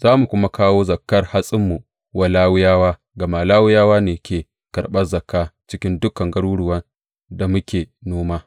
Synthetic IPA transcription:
z̥aː˦mu˨kʷʊ˦ma˦kaː˦woː˦zɐ˨kːɐ˦rha˦sʼɪ˦mːu˨ | wʔa˨laː˦wʊ˦jaː˦waː˦ | ɡɐ˨maː˨laː˦wʊ˦jaː˦waː˦neː˨kʲeː˨ | kɐ˨rɓɐ˦rzɐ˨kːaː˦t͡ʃɪ˦kʲɪ˦ndʊ˦kɐ˨ŋɡɐ˦ɽuː˦ɽʊ˨wɐ˦n | da˨mʊ˦kʲeː˨noː˦maː˦

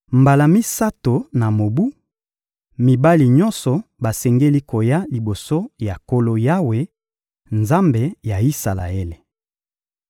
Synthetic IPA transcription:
mba˨la˨mi˦sa˦to˨na˨mo˨bu˦ | mi˨ba˦li˨ɲɔ˦nsɔ˨ba˨sɛ˨ŋɡe˦li˦ko˨ja˦li˨bo˨so˦ja˨ko˦lo˦ja˦we˦ | nza˦mbe˨ja˨i˦sa˨la̰˨e˦le˨

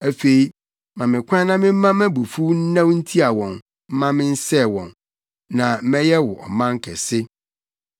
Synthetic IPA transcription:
æ˨fe˨i˨ | mã˨mɪ̃˨kʷʰã˦nã˦mɪ̃˦m̩˦mã˦mæ̃˦bu˨fu˦n̩˦nã˦wn̩˦tʰi˦a˨wɔ̃˨n | m̩˦mã˦mɪ̃˦n̩˦sɛ˦˨wɔ̃˨n | nã˨m̩˦mɛ̃˦jɛ˦wʊ˨ʔɔ̰˨mã˦ŋ˦kʰɛ̰˨sɪ˦

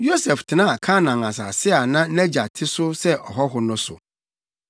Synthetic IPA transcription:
jo˦sɛ˨ftʰɪ˨nã˦a˨kʰa˦nã˨ŋã˨s̬a̰˨sɪ˦a˨nã˦nɛ̃˦d͡ʑa˨tʰɪ˦sʊ˦sɛ˦ʔɔ˨ɦɔ˦ɦʊ˨nʊ̃˦sʊ̰˨

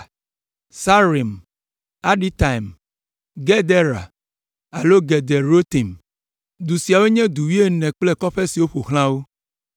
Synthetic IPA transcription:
sa˦ɾi˨m | a˦ɖi˦t̪a˨i˨m | ɡɛ˦d̪ɛ˦ɾa̰˨ | a˨lo˦ɡɛ˨d̪ɛ˨ɾo˦t̪i˨m | d̪u˨si˨a˨we˦ɲɛ̃˦d̪u˨wi˦e˦nɛ̃˨k͡plɛ˦kɔ˦ɸɛ˦si˨wo˦ɸo˨xl̃ã˦wo˦

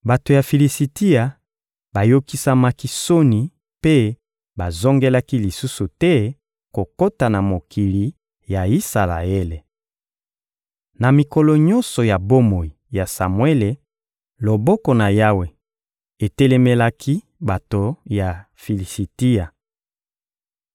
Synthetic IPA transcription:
ba˨to˨ja˨fi˨li˨si˨ti˦ja˨ | ba˨jo˦ki˦sa˦ma˦ki˦so˦ni˨ | pe˦ | ba˨zo˦ŋɡe˦la˦ki˦li˨su˦su˨tɛ˦ | ko˨ko˦ta˨na˨mo˨kʰi˨li˨ | ja˨i˦sa˨la̰˨e˦le˨ | na˨mi˨kɔ˨lɔ˨ɲɔ̃˦nsɔ˨ja˨bo˦mo˨i˨ja˨sa˨mwe˦le˨ | lo˨bɔ˦kɔ˨na˨ja˦we˨ | e˨tɛ˦lɛ˦me˦la˦kʰi˦ | ba˨to˨ja˨ | fi˨li˨si˨ti˦a˨

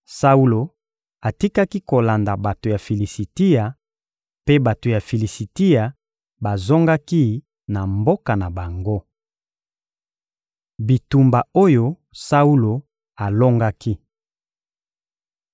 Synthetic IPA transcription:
sa˦u˦lo˨ | a˨ti˦ka˦ki˦ko˨la˨nda˨ba˨to˨ja˨fi˨li˨si˨ti˦ja˨ | pe˦ba˨to˨ja˨fi˨li˨si˨ti˦ja˨ | ba˨zo˦ŋɡa˦ki˦ | na˨mbo˦ka˨na˨ba˨ŋɡo˦ | bi˨tu˨mba˨o˦jo˦ | sa˦u˦lo˨ | a˨lo˦ŋɡa˦ki˦

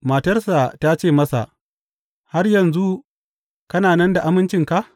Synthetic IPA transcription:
maː˨tɐ˦rsa˨ta˦t͡ʃeː˦˨mɐ˦sa̰˨ʔ | ha˦rjɐ˨nzu˦ | kɐ˦naː˨nɐ˦nda˨ʔa˦mɪ˦nt͡ʃɪ˨ŋka˨ʔ

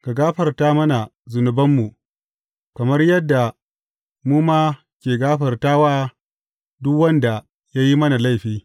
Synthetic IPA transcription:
ka˨ɡaː˦ɸɐ˨rtaː˦mɐ˦na˨zʊ˨nʊ˨bɐ˦mːu˨ | kɐ˨mɐ˦rjɐ˦dːa˨ | muː˦maː˦ | kʲeː˨ɡaː˦ɸɐ˨rtaː˦waː˦ | dʊ˦kwɐ˦nda˨ | ja˦ji˦mɐ˦na˨la˦˨jɸiː˦

